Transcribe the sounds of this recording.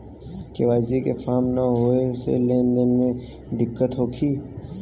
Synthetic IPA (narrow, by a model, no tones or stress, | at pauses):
keʋaːzikefaːmnaɦoesḛleːnd̪ənmẽ | d̪ɪkːət̪ɦoːkʰiː